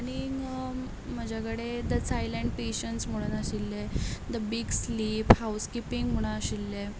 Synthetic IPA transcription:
aɽ̃i | m̤əd͡ʑʱakəɽed̪ət͡sajlə̃ɳɖ̚peɕənsm̤əɽ̃unaɕilːed̪əbiɡsliːphawskipiŋɡm̤əɽ̃aəɕilːe

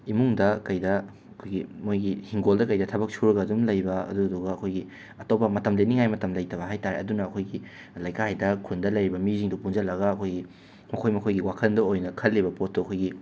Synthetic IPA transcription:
imuŋdɐkɐjdɐ | ɐkʰojɡimojɡihiŋɡoldɐkɐjdɐtʰɐbɐk̚sʰuɾɐɡɐːdumlɐjbɐɐ̰duduɡɐːkʰojɡi | ɐtopːɐmɐtɐmleniŋajmɐtɐmlɐjtɐβɐɦajtaɾeɐdunɐːkʰojɡi | lɐjkʰaajdɐkʰundɐlɐjɾibɐmiziŋdupund͡ʒɐlɐɡɐːkʰojɡi | mɐkʰojmɐkʰojɡiwakʰɐndɐojnɐkʰɐlːibɐpot̚ːuɐkʰojɡi

